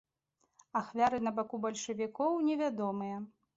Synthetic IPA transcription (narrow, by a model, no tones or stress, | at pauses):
axvʲaɾɨnɐbakubɐlʲʂɐvʲikɔwnʲɛvʲad̪ɔmɨjɛ